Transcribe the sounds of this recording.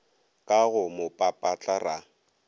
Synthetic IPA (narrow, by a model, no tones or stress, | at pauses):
kʼaɣʊmʊpʼapʼat͡ɬʼara